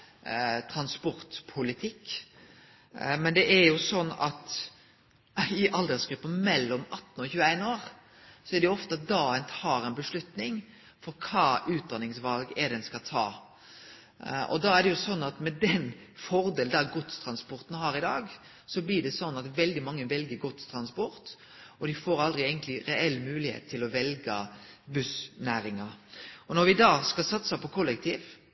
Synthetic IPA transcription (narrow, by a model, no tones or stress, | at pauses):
t̪ʰɾɑnspɔɾt̪pʰʊlɪt̪ʰɪkː | mɛnd̪ɛʔæɾjʊsɔnːɑ̰t̪ | ɪʔɑld̪əsɡ̥ɾʉpːəmɛlːɔmɑt̪ːnɔçʉːəæɪnoːɾ | sɔæɾɖ̪ɛjʊɔft̪əɑt̪̚d̪ɑːɛnt̪ʰɑːɾɛɪnbəʂlʉt̪nɪŋ | fɔɾkʰɑːʔʉːt̪̚d̪ɑnɪŋsʋɑlɡɛdɛnskɑt̪ʰɑ̰ː | ɔ̰d̪ɑæɖɛjʊsɔnːɑt̪mɛd̪ɛnfɔɾd̪eːld̪æɡɔt̪st̪ʰɾɑnspɔɾt̪n̩hɑːɾɪd̪ɑːɡ | sɔblɪɖɛsɔnːɑt̪ʋɛld̪ɪmɑŋːəʋɛlɡəɾɡɔt̪st̪ʰɾɑnspɔɾt̪ | ɔd̪ɪfoːɾɑld̪ʁɪeːɡənt̪lɪɾɛɛlːmʉːlɪhḛːt̪ʰːɪlɔʋɛlɡəbʉsnæːɾɪŋɑɾɔnɔɾʋɪd̪ɑːskɑlsɑt̪sɑpɔkʰʊlːɛkt̪ʰiːʋ